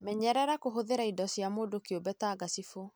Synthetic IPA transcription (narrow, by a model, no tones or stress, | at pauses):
mɛɲɛɾɛɾakoɦoðeɾaidɔsjamoːdokjobɛtaːɡasifo